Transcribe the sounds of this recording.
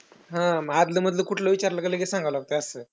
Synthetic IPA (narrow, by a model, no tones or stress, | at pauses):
ɦãmad̪ləməd̪ljekuʈʰloʋit͡ɕaɾləkəleɡesãŋɡʱaʋlaɡ̚t̪eəsəː